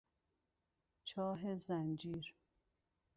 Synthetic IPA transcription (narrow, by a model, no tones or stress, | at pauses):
t͡ʃʰɒːɦezænd͡ʒiːɾ